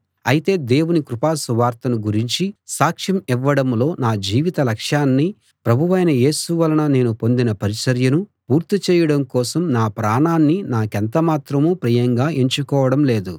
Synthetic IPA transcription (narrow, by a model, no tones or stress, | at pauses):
ɐjit̪e̞ːd̪e̞ːwunikɾupaːsuʋaːɾt̪ɐnuɡuɾiɲt͡ʃisaːkʂɐmiʋːɐɽɐmlo̞ːnaːd͡ʒiːʋit̪ɐlɐkʂjaːnːi | pɾɐbʱuʋɐjnɐje̞ːsuʋɐlɐnɐne̞ːnupo̞nd̪inɐpɐɾisɐɾjɐnupuːɾt̪it͡ʃɛːjɐɽɐmkɔːsɐmnaːpɾaːɳaːnːinaːkent̪ɐmaːt̪ɾɐmuːpɾiːjɐŋɡaːʔeɲt͡ʃukɔːʋɐɽɐmle̞ːd̪u